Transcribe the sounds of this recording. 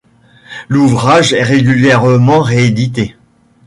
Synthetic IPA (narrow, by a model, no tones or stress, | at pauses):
luvʁaʒɛʁeɡʲyljɛʁmɑ̃ʁeːd̪it̪e